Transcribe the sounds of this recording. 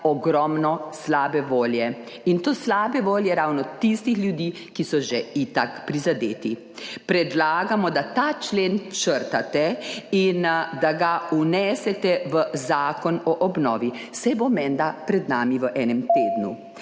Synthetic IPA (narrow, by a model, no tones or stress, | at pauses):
ɔɡɾɔmnɔslaːbɛʋoːljɛ | int̪oːslaːbɛʋoːljɛɾawnɔt̪ist̪ixlʲjud̪iː | kisɔʒɛit̪akpɾizad̪eːt̪i | pɾɛd̪laːɡamɔd̪at̪aːt͡ʃleːnt͡ʃəɾt̪at̪ɛind̪aɡaunɛːsɛt̪ɛʋəzaːkɔnɔʔɔbnɔ̰ːʋisɛjbomɛnd̪apɾɛd̪naːmiʋəʔɛːnɛmt̪eːd̪nu